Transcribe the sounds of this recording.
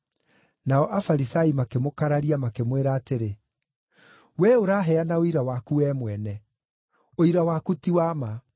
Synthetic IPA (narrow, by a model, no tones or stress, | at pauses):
naɔʔafaɾisaimakemokaɾaɾiamakemweɾaːteɾe | wɛoɾaɦɛanaoiɾawakuɛːmwɛnɛ | oiɾawakutiwama